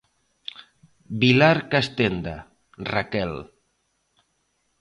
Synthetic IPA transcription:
bilaɾkast̪end̪a | rakɛl

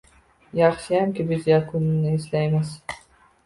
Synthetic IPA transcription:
jɑχʃɪjamkʲɪbɪzjakʰʊnɪnɪislajmɪz̥

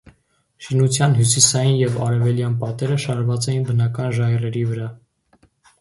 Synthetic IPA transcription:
ʃinut͡sʰjɑnɦjusisɑjinjɛvɑɾɛvɛljɑnpɑt̪ɛɾəʃɑɾvɑt͡sɛjinbənɑkɑnʒɑjɛrɛɾivəɾɑ

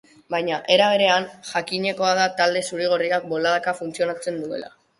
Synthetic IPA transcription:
bajɲaʔe̞ɾaβ̞e̞ɾe̞anʝakiɲe̞ko̞aðat̪ald̪e̞suɾiɣ̞oriak̚bo̞laðakafunt͡sio̞nat͡se̞nd̪ue̞̰la̰

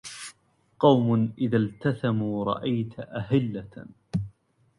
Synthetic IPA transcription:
qɑwmʊnʔɪðalt̪aθamuːɾˤɑ̰ʔajt̪ʔahɪlːa

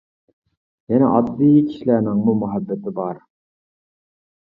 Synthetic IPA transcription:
jɛnɛʔɑd̪ːijkʲʰi̥ʃilænɪŋmumʊɦæbːɛt̪ʰɪbɑɾ

